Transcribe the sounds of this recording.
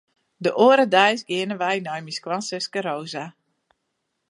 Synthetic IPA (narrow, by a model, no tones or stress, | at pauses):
dəʔoːəɾədɛjsɡɪənəʋɛjnɔjmiskwansɪskəɾoːza